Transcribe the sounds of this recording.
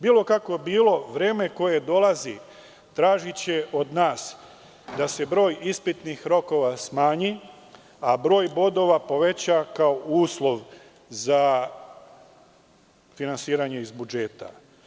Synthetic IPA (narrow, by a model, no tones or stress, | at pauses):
biːlˠo̞kako̞biːlo̞ʋɾe̞ːme̞ko̞je̞d̪o̞lˠazi | t̪ɾaːʒit͡ɕe̞ʔo̞d̪naːs | d̪ase̞bɾo̞ːjispit̪nixɾo̞ko̞ʋasmaːɲi | abɾo̞ːjbo̞d̪o̞ʋapo̞ʋe̞t͡ɕakaouːslˠo̞ʋ | za | finansiːɾaɲe̞izbud͡ʒe̞ːt̪a̰